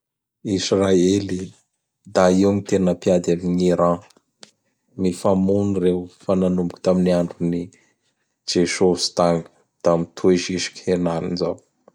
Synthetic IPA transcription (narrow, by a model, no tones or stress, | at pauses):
israeli | d̪aiwmit̪enəpiad̪amiɲiɾã | mifamunirewfananumbuku̥t̪aminiaɳɖ͡ʐuni | d͡ʒeʃost̪aŋu̥ | d̪̥amit̪ʰueʃiʃi̥kenalḭnzaw